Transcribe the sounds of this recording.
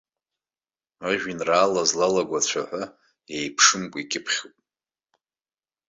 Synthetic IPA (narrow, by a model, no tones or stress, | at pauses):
aʒᶣinraːlazlalaɡʷat͡ɕʷʰaħʷa | jejpʰʂɨmkʷʼikʲʼɪpʰχʲupʼ